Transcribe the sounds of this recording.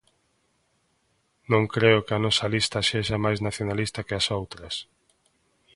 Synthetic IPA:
nõŋkɾeʊkɪɐnɔsɐlist̪ɐseʃamajznaθjonalist̪ɐkɪasowt̪ɾɐs

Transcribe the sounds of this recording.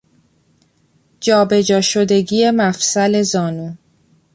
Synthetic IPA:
d͡ʒɒːbe̞d͡ʒɒːʃo̞d̪e̞ɟiːje̞mæfsæle̞zɒːnuː

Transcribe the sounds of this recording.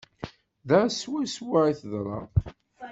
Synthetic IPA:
ðæswæswaiθəðˤɾˤɑ̰ˤ

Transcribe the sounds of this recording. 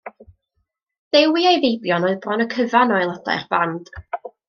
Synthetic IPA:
ðewiajðejbjɔnɔɨðbrɔnəkʰəvanɔjlˠəda̰jrb̥and̥

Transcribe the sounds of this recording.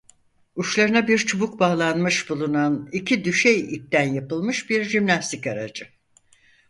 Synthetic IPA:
uʃlˠaɾɯnabiɾt͡ʃʰubuk̚baːlˠanmɯʃbulˠunanicʰid̪yʃejip̚t̪ænjapɯlˠmɯʃbiɾʒimnast̪ikaɾa̰d͡ʒɯ

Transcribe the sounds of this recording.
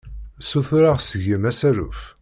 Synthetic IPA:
suθʊɾaʁsəʝəmæsæɾṵf

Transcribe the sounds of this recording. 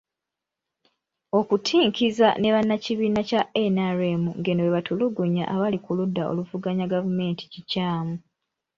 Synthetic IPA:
o̞kutʰiːŋkiza̰ne̞βanːaciβiːnacaʔenaɾemuŋɡenoweβatʰuluɡuɲa̰ʔaβalikuludːao̰luvuɡaɲaɡavume̞ːntʰi̥cicaːmu

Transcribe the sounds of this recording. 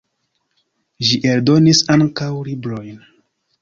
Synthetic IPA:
ʒiʔe̞ldo̞nisaŋkawlibɾo̞jn

